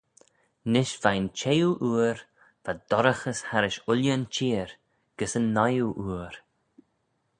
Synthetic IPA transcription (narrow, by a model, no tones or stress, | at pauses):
nɪʃv̥ajnt͡ʃʰejuʔuːɾ | v̥ad̪̥ɔɾəxəshaɾɪʃʊljənt͡ʃiːɾ | ɡ̥əsənːajuʔuːɾ